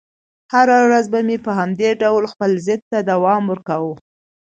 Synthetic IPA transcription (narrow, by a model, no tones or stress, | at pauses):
haɾawɾazbamepəɦamd̪eɖawlxpəlzɪd̪̚t̪ad̪awɑmwəɾkawu